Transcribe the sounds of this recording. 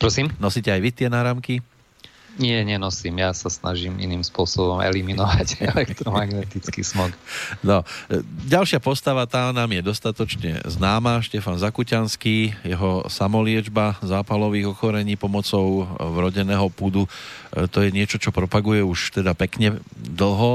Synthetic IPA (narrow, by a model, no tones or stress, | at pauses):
pɾɔsiːmnɔsiːcɛajʋit̪ɪɛnaːɾamki | ɲɪɛɲɛnɔsimjasasnʔaʒimḭniːmspʊɔsɔbɔmɛ̰liminɔʋaɟɛlɛkt̪ɾɔmaɡnɛt̪it͡skḭːsmɔknɔɟalʃɪapɔst̪aʋat̪aːnaːmjɛd̪ɔst̪at̪ɔt͡ʃɲɛ̰znaːmaːʃcɛfanzakucanskiːjɛɦɔsamɔlɪɛd͡ʒbazaːpalɔʋiːɣɔxɔɾɛɲiːpɔmɔt͡sɔʊvɾɔɟɛnɛːɦɔpud̪ut̪ɔjɛɲɪɛt͡ʃɔt͡ʃɔpɾɔpaɡujɛuʃt̪ɛd̪apɛkɲɛd̪l̩ˠɦɔ